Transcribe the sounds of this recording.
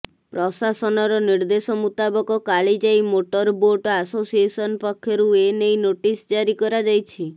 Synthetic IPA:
pɾɔsasɔnɔɾɔniɾd̪esɔmut̪abɔkɔkaɭid͡ʒajmoʈɔɾboʈasosiesɔnpɔkʰːjɔɾuenejnoʈisd͡ʒaɾikɔɾad͡ʒajt͡ʃʰi

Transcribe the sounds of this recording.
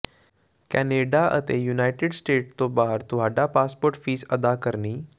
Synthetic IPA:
kɛneɖaʔə̰t̪ejunajʈeɖsʈeːʈt̪obaɦəɾt̪uɦaɖapaspoːɾʈfiːsəd̪akəɾniː

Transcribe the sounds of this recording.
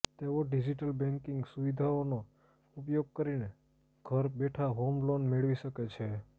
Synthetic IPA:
t̪eʋoɖid͡ʒiʈəlbɛ̃ŋkɪŋɡsuʋid̪ʱaono | upjoɡ̚kəɾine | ɡʱəɾbeʈʰaɦomlonmeɭʋiʃəket͡ʃʰe

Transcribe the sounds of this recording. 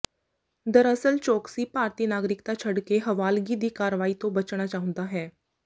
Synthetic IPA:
d̪əɾəsəlt͡ɕoksiːpaɾt̪iːnaɡɾikt̪at͡ɕʰəɽkeɦəʋalɡid̪ʱiːkaɾʋaiːt̪obət͡ɕɳ̃at͡ɕaɦũnd̪aɦɛ

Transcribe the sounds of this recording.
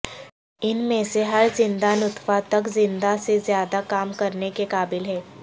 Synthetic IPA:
ɪnmẽseɦɐɾzɪ̃nd̪anʊt̪ʰfat̪ɐkzɪ̃nd̪asezjaːd̪akaːmkɐɾnekekaːbɪlɦɛː

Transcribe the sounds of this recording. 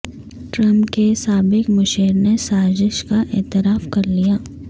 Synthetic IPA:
ʈɾɐ̃mpkesaːbɪkmʊʃeːɾnesaːzɪʃkaʔɛːt̪ɪɾaːfkɐɾlijaː

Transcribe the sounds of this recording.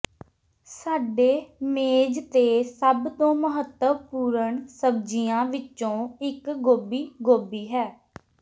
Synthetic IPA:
saːɖeːmeːd͡ʒt̪eːsəbt̪õːməɦət̪ːəpuːɾəɳsəb̚d͡ʒijãːʋɪt͡ʃõːɪkɡoːbiːɡoːbiːɦɛː

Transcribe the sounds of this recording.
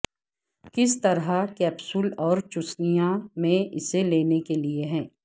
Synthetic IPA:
kɪst̪ɐɾɦakɛːpsʊlɔːɾt͡ʃʊsnijamẽʔɪseleːnekelieɦɛ̃ː

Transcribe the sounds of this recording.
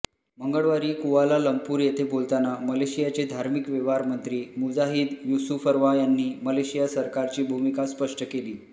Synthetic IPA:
məŋɡəɭʋaɾiːkuʋalaləmpuːɾjet̪ʰebolt̪anaməleɕijat͡ɕed̪ʱaɾmikʋeʋaɾmənt̪ɾiːmud͡zaɦiːd̪jusufəɾʋajanːiːməleɕijasəɾkaɾt͡ɕiːbʱumikaspəʂʈəkeliː

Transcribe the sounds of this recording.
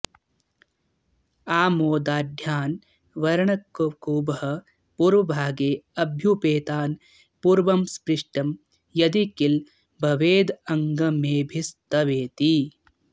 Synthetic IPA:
aːmoːd̪aːd̪ʱjaːn | ʋɐɾɐɳɐkːokuːbɐɦɐ | puːɾʋɐbʱaːɡeːɐbʱjupeːt̪aːn | puːɾʋɐmspɾiʂʈɐm | jɐd̪ikil | bʱɐʋeːd̪ɐŋɡɐmeːbʱist̪ɐʋeːt̪i

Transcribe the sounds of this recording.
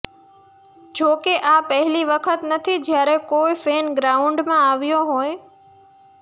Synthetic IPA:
d͡ʑoːkeʔaːpɐɦɪliʋɐkʰət̪nɐt̪ʰid͡ʑɪjaːɾẽkoːɪfeːnɡɾaːʊ̃ɳɖmãaːʋijoɦoːe

